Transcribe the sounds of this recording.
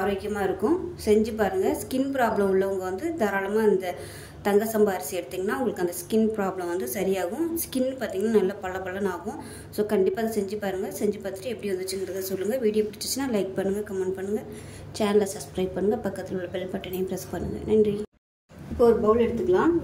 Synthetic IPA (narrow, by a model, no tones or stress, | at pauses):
aːɾoːkːɪjɐmaːɪɾɯkːʊ̃sɛɲd͡ʒɯp̬aːɾɯŋɡɐskɪnpɪɾaːblɐmʊɭlːɐʊŋɡɐʋɐnd̪ɯd̪ɐɾaːlɐmaːɪnd̪ɐ | t̪ɐŋɡɐsɐmbaːɾɪsɪɛɽɯt̪ːiːŋɡɐnːaːʊ̃ŋɡɐɭɯkːɐnd̪ɐskɪnpɪɾaːblɐ̃mʋɐnd̪ɯsɐɾɪjaːɣʊ̃skɪnːɯpaːɾt̪iːŋɡɐnaːnɐlːɐpɐɭːɐpɐɭːɐnaːɣʊ̃ | soːkɐɳɖɪpːaːðsɛɲd͡ʒɯpaːɾɯŋɡɐsɛɲd͡ʒɯpaːt̪ɪ̥ʈːɐɛpːɐɽiʋɐnd̪ɯt͡ʃːɯŋɡɾɐðaːsɔlːɯŋɡɐʋiːɽɪjoːpɪʈɪt͡ʃːɯt͡ʃːɯnːãːlɐɪk̚pɐɳːɯŋɡɐkɐmɛɳɖ̚pɐɳːɯŋɡɐ | t͡ʃaːnɐlɐsɐbskɾɐɪb̚pɐɳːɯŋɡɐpɐkːɐt̪ːɪlɯɭːɐpɛlːɐpɐʈːɐnɪjpɾɛspɐɳːɯŋɡɐ̰nɐɳɖri | ɪpːoɔɾɯbɐʋlɛɽɯt̪ːɯkːɐɭãː